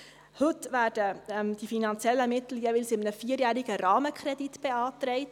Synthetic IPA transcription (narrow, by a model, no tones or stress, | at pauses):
hɵtvæːd̥əmd̥ifinɑnt͡sjɛlːəmɪt̪l̩jɛʋɪlsɪmənəfiːəɾjæːɾiɡ̥əɾɑːməkχɾɛdit̪b̥ɛɑːt̪ɾɛɪt